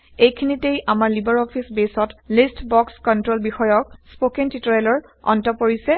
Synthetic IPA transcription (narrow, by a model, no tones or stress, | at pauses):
ejkʰinitejʔamaɹlibɔɹɔpʰisbesɔtlistbɔkskɔntɹolbixɔjɔk̚spokentitɔɹajlɔɹ | ɔ̰ntɔpoɹisɛ